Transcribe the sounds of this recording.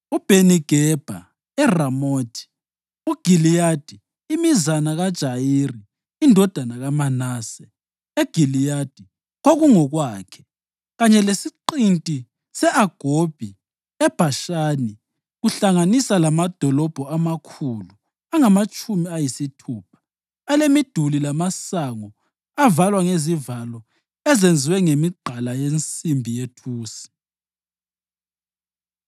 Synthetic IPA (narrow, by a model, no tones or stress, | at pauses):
ub̥ʱeniɡ̥ʱɛb̥ʱa̰ | ɛramoːtʰi̥ | uɡ̥ʱilijad̥ʱiː | mizanaɣad̥ʒ̥ʱajiriː | ndʱɔd̥ʱanaɣamanaːsɛ | eɡ̥ʱilijad̥ʱi | ɣoɣuŋɔɣwaːkʰɛ̥ | ɣaɲɛlesiǃintʼi | sɛʔaɡ̥ʱob̥ʱi | ɛb̥ʱaʃaːni | ɣuɬaŋanisalamad̥ʱɔlɔb̥ʱɔamakʰuːlu | aŋamat͡ʃʼumiajisitʰuːpʰḁ | alemid̥ʱulilamasaŋɔ | avalwaŋezivalɔ | ɛzend͡zʱiwɛŋemiɡ͡ǃʱalajent͡sʼimbʱijetʰuːsi̥